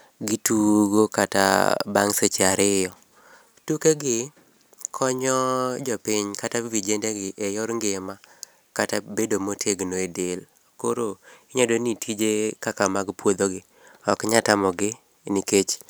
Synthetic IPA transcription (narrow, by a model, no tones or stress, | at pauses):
ɡituɡokata̰baŋset͡ʃeaɾɪjɔ | tukeɡɪ | kʰɔɲɔd͡ʒɔpɪɲkatavid͡ʒendeɡɪʔejɔɾŋɡɪma | katabedomotʰeɡnoedel | koɾoɪɲodonitʰid͡ʒekakamaɡpwod̪oɡɪ | ɔkɲatamɔɡɪ | niket͡ʃ